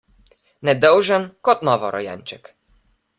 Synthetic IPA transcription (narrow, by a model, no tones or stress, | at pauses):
nɛd̪ɛwʐɛnkɔt̪nɔvɔɾʔɔ̰ja̰nʲt͡ʃɛk